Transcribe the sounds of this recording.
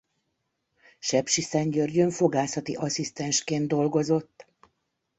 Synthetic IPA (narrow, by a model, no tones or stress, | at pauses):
ʃɛpʃisɛɲɟørɟøɱfo̞ɡaːsɒt̪ḭʔɒsist̪ɛnʃkeːnd̪o̞lɡo̞zo̞t̪ː